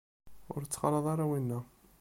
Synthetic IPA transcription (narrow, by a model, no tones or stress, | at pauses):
ʊ̰ɾt͡sːə̥qɾˤɑðˤɑɾˤawinːæ